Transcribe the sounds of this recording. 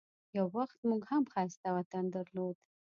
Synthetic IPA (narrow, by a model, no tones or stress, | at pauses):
jawːaxt̪muɡhamxɑst̪awat̪and̪aɾlod̪